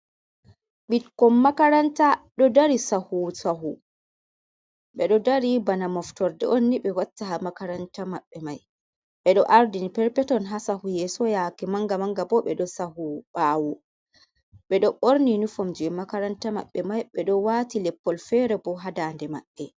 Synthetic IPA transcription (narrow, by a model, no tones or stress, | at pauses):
ɓitkɔmːakaɾantaɗɔdaɾisahusaɦu | ɓɛɗɔdaɾibanamɔftɔɾdɛ̰ʔonːiɓɛwatːahamakaɾantamaɓːɛmaj | ɓɛɗɔʔaɾdinipɛɾpɛtɔnɦasahujɛsɔjakɛmaŋɡamaŋɡabɔɓɛɗɔsahuɓaːwɔ | ɓɛɗɔʔoɾninufɔmd͡ʒɛmakaɾantama̰ɓːɛmajɓɛɗɔwaːtilɛpːɔlfɛɾɛbɔɦadaːndɛma̰ɓːɛ